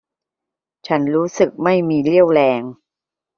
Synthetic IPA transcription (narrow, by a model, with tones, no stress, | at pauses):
t͡ɕʰa˦˥nɾuː˦˥sɯ˨˩k̚ma˥˩jmiː˧li˥˩əwlɛː˧ŋ